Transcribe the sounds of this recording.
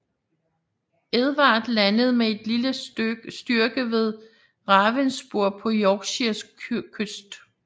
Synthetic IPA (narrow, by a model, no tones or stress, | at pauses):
eðˠʋɑ̈ːd̥lænəð̞ˠmee̝d̥liləsd̥yɐɡ̥əʋe̝ð̞ˠ | ʁɑ̈ʋensb̥oɐ̰pʰɒ̽jɒɡ̥ɕiɐskʰøsd̥